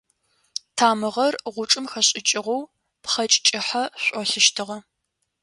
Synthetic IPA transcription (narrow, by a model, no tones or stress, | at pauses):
tʰaːmɨʁɐrʁʷʊʈ͡ʂʼɨmxɐɕʼɪt͡ʃʼɪʁɔw | pχɐt͡ʃʼt͡ʃʼɪħaɕʷʼɔɬɪʃtʰɨʁɐ